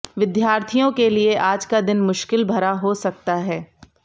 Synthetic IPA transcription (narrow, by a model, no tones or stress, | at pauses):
ʋɪd̪jaːɾt̪ʰijõkelieʔaːd͡ʒkad̪ɪnmʊʃkɪlbʱɐɾaɦosɐk̚t̪aɦɛː